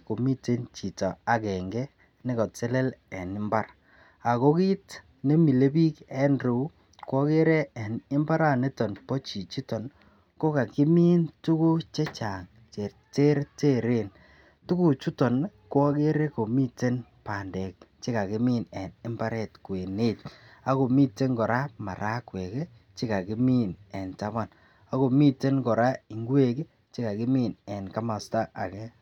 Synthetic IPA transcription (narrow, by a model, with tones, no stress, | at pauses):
ko˨mi˦te˦nt͡ʃi˨tɔ˨a˦kɛ˨ŋɡɛ˦ | ne˦kɔ˨t͡se˦le˦lɛ˨nɪ˦mba˦r | a˨ko˦ki˦t | ne˦mi˨le˦bi˦kɛ˦nɾu˨˦ | kwɔ˦ke˦ɾɛ˦ɛ˨nɪ˦mba˦ɾa˦˨ne˦tɔ˨npɔ˦t͡ʃi˨t͡ʃi˦tɔ˨n | ko˦ka˨ki˦mi˦ntu˦ku˦t͡ʃɛ˦t͡ʃa˨ŋ | t͡ʃe˨ | te˦ɾte˦ɾe˦˨n | tu˦ku˦t͡ʃu˦tɔ˨nkɔ˦ke˦ɾe˦ko˨mi˦te˦npa˨ndɛ˨k̚t͡ʃe˦ka˨ki˦mi˦nɛ˨nɪ˦mpa˦ɾɛ˦˨tkwe˨ne˦ta˦ko˨mi˦te˦ŋkɔ˨ɾa˦ma̰˨ɾa˦kwe˨ke˦ | t͡ʃi˦ka˨ki˦mi˦nɛ˨nta˦ba˦n | a˦ko˨mi˦te˦nkɔ˨ɾa˦i˨ŋɡwe˦ke˦ | t͡ʃi˦ka˨kɪ˦mi˦˨nɛ˨nka˦ma˨sta˦ʔa˨kɛ˦